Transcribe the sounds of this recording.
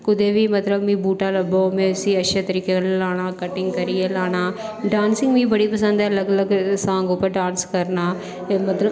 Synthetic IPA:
kʊd̪eːʋiːmət̪ləbmĩːbuːʈaːləbomẽːʊsĩːətːʃʰeːt̪əɾiːkellaːɽ̃aːkəʈɪŋɡkəɾiːeːlaːɽ̃aːɖaːnsɪ̃ŋɡmĩːbəɽiːpəsə̃nd̪ɛləɡələɡsãːŋɡʊpːəɾɖaːnskəɾnaː | mɐt̪lə

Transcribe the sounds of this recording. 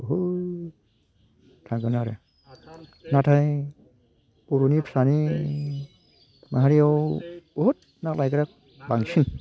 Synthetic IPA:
ɦoj | tʰaɡanaɾe | natʰaj | puɾunipʰsani | maɦaɾiawoɦut̚ | naklajkaɾak̚ | baŋsin

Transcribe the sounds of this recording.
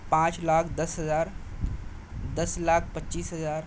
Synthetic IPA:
pãːt͡ʃlaːkʰd̪ɐsɦəzaːɾ | d̪ɐslaːkʰpətːʃiːsɦəzaːɾ

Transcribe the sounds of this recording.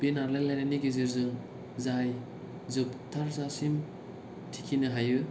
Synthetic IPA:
benaɾlalajnaniɡeziɾzɯŋ | zaj | zɯptʰaɾzasim | tʰikʰinɯɦajɯ

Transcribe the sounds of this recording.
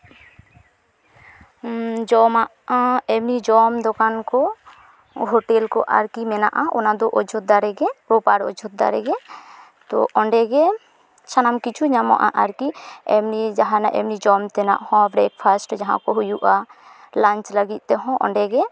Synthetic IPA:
d͡ʒɔmaʔɛmnid͡ʒɔmd̪ɔkankɔ | ɦɔʈɛlkɔ̰ʔa̰ɾkimɛna̰ʔaʔɔnad̪ɔʔɔd͡ʒʰʱɔt̪̚d̪aɾɛɡɛpɾopaɽɔ̰d͡ʒʱɔt̪̚d̪a̰ɾɛ̰ɡɛ | t̪ɔ̰ɔɳɖɛɡɛ | sanamkit͡ʃʰuɲamɔ̰ʔa̰ʔaɾkiɛmnid͡ʒaɦana̰ʔɛ̰mnid͡ʒɔmt̪ɛna̰ʔhɔ̃bɾɛk̚pʰasʈd͡ʒaɦã̰kɔɦujuʔa | laɲt͡ʃləɡit̪̚ˀt̪ɛɦɔ̃ʔɔ̰ɳɖɛɡɛ

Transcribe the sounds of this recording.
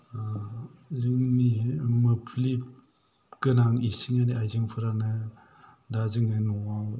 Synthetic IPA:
zɯŋnimɯpʰlip̚ | kɯnaŋisiŋaniajzɯŋpʰɯɾanɯ | dazɯŋɯnɔwaw

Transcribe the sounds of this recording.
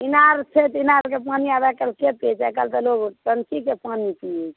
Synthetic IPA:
inaɾt͡ʃʰet̪inaɾkepaniabɛkəlkepet͡ʃɛkəlt̪əloɡʈənkikepanipi

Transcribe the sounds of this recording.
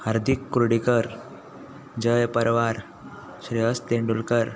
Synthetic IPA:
haɾd̪ʱikːuɾɽikəɾ | d͡ʑəjpəɾʋaɾ | ɕɾiɦəst̪eɳɖulkəɾ

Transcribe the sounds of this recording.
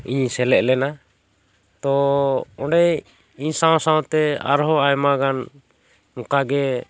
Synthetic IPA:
iɲsɛlɛʔlɛna | t̪ɔɔ̃ɖɛj | iɲsaw̃sãwɔ̃t̪ɛa̰ɾɦɔajmaɡan | mɔkaɡɛ

